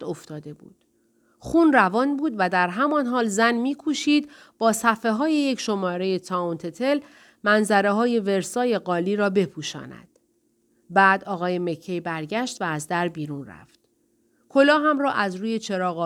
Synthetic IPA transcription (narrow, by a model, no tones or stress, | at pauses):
o̞ft̪ɒːd̪e̞bṵːd̪̥ | xuːnrævɒːnbuːd̪væd̪æɾɦæmɒːnɦɒːlzænmiːkʰuʃiːd̪ | b̥ɒːsæfe̞ɦɒːje̞jecʰʃo̞mɒːɾe̞je̞t̪ʰɒont̪ʰe̞t̪ʰe̞l | mænzæɾe̞ɦɒːje̞ve̞ɾsɒːje̞ɣɒːliːɾɒːbe̞pʰuːʃɒ̰ːnæ̰d̪̥ | bæːd̪ɒːɣɒːje̞me̞cʰːejbæɾɟæʃt̪væːzd̪æɾbiːɾuːnræ̰ft̪ | kʰo̞lɒːɦæmrɒːʔæzɾuːje̞t͡ʃʰe̞ɾɒːɣɒ